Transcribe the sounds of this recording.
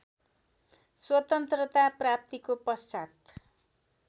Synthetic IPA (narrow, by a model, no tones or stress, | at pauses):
swʌt̪ʌnt̪rʌt̪aprap̚t̪ikopʌst͡sat̪